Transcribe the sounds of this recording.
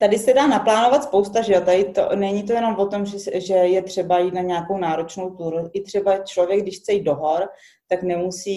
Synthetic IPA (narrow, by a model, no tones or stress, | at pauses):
t̪adɪsɛdaːnaplaːno̞vat̪spo̞wst̪aʒɛat̪ajɪt̪o̰nɛɲit̪o̞jɛno̞mvo̞t̪o̞mʒɛʒɛjɛt̪r̝̥ɛbajiːt̪̚naɲɛako̞wnaːɾo̞t͡ʃno̞wt̪uːɾuʔɪt̪r̝̥ɛbat͡ʃlo̞vjɛɡ̚dɪʃxt͡sɛjiːt̪do̞ɦo̞ɾ | t̪aknɛmusiː